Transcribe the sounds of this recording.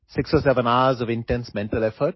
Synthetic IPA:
sɪksosɛvə̃naʊəzɔvɪ̃nʈɛ̃nsmɛ̃nʈəlɛfəʈ̚

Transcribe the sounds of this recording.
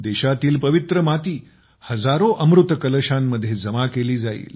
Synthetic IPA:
d̪eɕat̪iːlpəʋit̪ɾəmat̪iː | həd͡zaɾoʔəmɾut̪kələɕamːəd̪ʱjed͡zəmakeliːd͡zaḭːl

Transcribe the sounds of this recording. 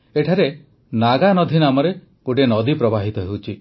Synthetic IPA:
eʈʰaɾe | naɡanɔd̪ʱinamɔɾe | kuɖenɔd̪ʱipɾɔbaɦit̪ɔɦewt͡ʃʰi

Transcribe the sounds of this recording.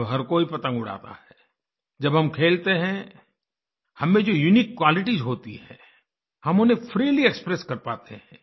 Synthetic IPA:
ɦɐɾkoipɐt̪ə̃ŋɡʊɽ̤a̰ːt̪a̰ɦɛ | d͡ʒɐbɦɐmkʰeːlt̪eɦɛ̃ | hɐmːẽd͡ʒojunikːwaːlɪʈizɦoːt̪ḭɦɛ̰̃ː | hɐmʊnẽpʰɾiːliekspɾɛskɐɾpaːt̪eɦɛ̃

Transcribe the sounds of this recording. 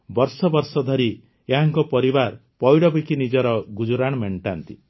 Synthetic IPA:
bɔɾsɔbɔɾsɔd̪ʱɔɾi | eɦaŋkɔpɔɾibaɾpɔjɽɔbikinid͡ʒɔɾɔɡud͡ʒuɾaɽ̃meɳʈant̪i

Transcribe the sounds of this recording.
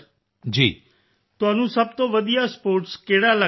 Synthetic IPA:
d͡ʒiː | t̪ʊaːnũsəb̚t̪oːʋəd̪ijaspoːɾʈskeːɽalə

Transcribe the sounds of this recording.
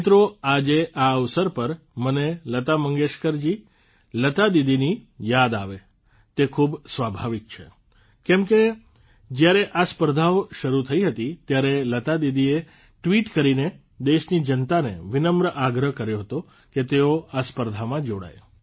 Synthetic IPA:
t̪ɾoad͡ʒeʔaəʋsəɾpəɾ | mənelət̪aməŋɡeʃkəɾd͡ʒi | lət̪ad̪id̪inijad̪aʋe | t̪ekʰubsʋabʱaʋik̚t͡ʃʰḛ | kɛmke | d͡ʒjaɾeʔaspəɾd̪ʱaoʃəɾut̪ʰəiɦət̪it̪jaɾelət̪ad̪id̪ie | ʈʋiʈkəɾine | d̪eʃnid͡ʒənt̪anḛʋɪnəmbɾəʔaɡɾəɦkəɾjoɦət̪o | ket̪eoaspəɾd̪ʱamãd͡ʒoɽa̰j

